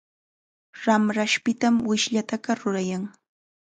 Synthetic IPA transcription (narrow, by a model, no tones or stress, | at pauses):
ɾamɾaʃpɪt̪amwɪʃʎat̪aɢɑɾʊɾajaŋ